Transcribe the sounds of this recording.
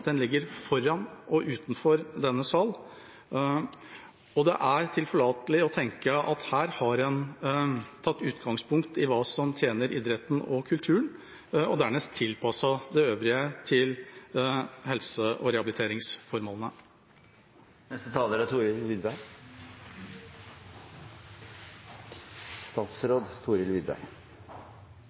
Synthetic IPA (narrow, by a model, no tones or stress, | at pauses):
d̪̥ɛnlɪɡːəɾfɔɾɑnʔɔʔʉːt̪n̩fɔɾd̪ɛnːəsɑːl | ɔd̪ɛ̰ʔæɾt̪ʰɪlfɔɭɑːt̪əlɪɔt̪ʰɛŋkəɑt̪hæːɾhɑɾɛn | t̪ʰɑt̪ːʉːt̪ɡɑŋspʰʊŋkt̪ɪʋɑːsɔmt̪ʰjeːnəɾʔɪd̪ɾət̪n̩ɔkʰʉlt̪ʰʉːəɳ | ɔd̪æɳɛst̪ʰːɪlpʰɑsɑd̪ɛøːʋɾɪət̪ʰɪl | hɛlsəʔɔ̰ɾɛhɑbɪlɪt̪ʰeːɾɪŋsfɔɾmoːlnə | nɛst̪ət̪ʰɑːləɾɑt̪ʰuːɾɪlʋiːd̪bæɾ | st̪ɑːt̪sɾoːd̪t̪ʰuːɾɪlʋɪd̪bæ̰ɾ